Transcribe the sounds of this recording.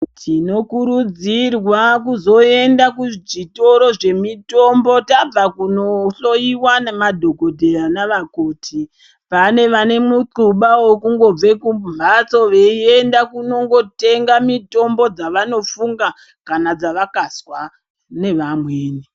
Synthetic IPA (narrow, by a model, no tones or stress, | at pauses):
tʰino̞kuɾud͡zirwakuzo̞e̞ndakuʐito̞ɾo̞ʐe̞mito̞mbo̞tab͡vakuno̞ɬo̞jiwanemadʱo̞ɡʱo̞dʱe̞ranaʋakoːtʰi | pane̞ʋane̞muǃuɓawokuŋɡo̞b͡ve̞kumbumat͡so̞ʋeie̞ndakuno̞ŋɡo̞te̞ŋɡamito̞mbo̞d͡zaʋano̞fuŋɡa | kanad͡zaʋakaswa | ne̞ʋamweːne